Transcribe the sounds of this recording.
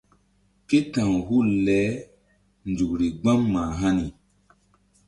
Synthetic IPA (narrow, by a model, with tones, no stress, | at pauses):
ke˦tã˨ŋhu˦˨lɛ˨˦ | nd͡ʒu˨kɾi˨ɡ͡bã˦mːaː˨ɦa˦ni˨